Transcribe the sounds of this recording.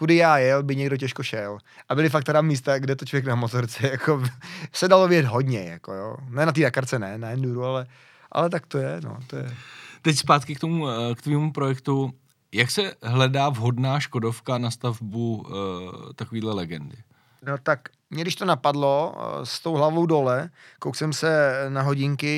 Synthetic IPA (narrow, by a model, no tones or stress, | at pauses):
kudɪjaːjɛlbɪɲɛɡdoc̬ɛʃkoʃɛlʔabɪlɪfak̚t̪aɾamiːst̪aɡdɛt̪ot͡ʃlovjɛk̚namot̪oɾt͡sɛjakʰosɛdalovɪɟɛt̪ɦodɲɛja̰ko̰jo̰ːnɛnat̪̬iːdakaɾt͡sɛnɛnajɛnduɾualɛ | ʔa̰lɛt̪akt̪ojɛno̰t̪ojɛ̰t̪ɛcspaːt̪kɪkt̪omukt̪viːmupɾojɛkt̪u | jaksɛɦlɛdaːvɦo̞dnaːʃko̞dofkanast̪avbu | t̪akoviːdlɛlɛɡɛndɪ | not̪ak | mɲɛɡdɪʃt̪onapadlo̞st̪owɦlavowdo̞lɛkowsɛmsɛnaɦo̞ɟɪŋkɪ